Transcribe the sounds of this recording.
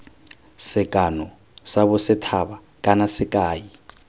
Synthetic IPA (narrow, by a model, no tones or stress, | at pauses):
sɪkʼanɔ | sabʊsɪtʰaba | kʼanasɪkʼaːi